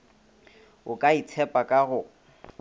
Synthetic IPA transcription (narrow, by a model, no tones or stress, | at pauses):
ʊkʼait͡sʰɛpʼakʼaɣʊ